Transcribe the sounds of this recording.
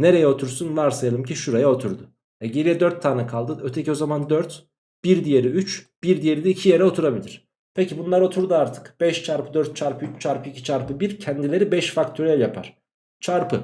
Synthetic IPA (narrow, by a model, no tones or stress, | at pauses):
ne̞ɾe̞jɛo̞t̪ʰuɾsunvaɾsajalˠɯmcʰiʃuɾajao̞t̪ʰuɾd̪ʊ | ɛɟelʲiɛd̪øɾt̪ʰːaːnɯkʰalˠd̪ɯøt̪ʰecio̞zamand̪øɾt̪ | b̥iɾd̪ije̞ɾiyt͡ʃb̥iɾd̪ije̞ɾid̪ɛicʰijeɾɛo̞t̪ʰuɾabilʲiɾ̥ | pʰecibunlˠaɾo̞t̪ʰuɾd̪uaɾt̪ʰɯ̥kb̥ɛʃt͡ʃʰaɾpʰɯd̪øɾt̪̚t͡ʃʰaɾpʰɯyt͡ʃt͡ʃʰaɾpʰɯicʰit͡ʃʰaɾpɯbiɾcʰɛnd̪ilʲe̞ɾibɛʃfakt̪ʰoɾijɛjapʰa̰ɾ̥ | t͡ʃʰaɾpɯ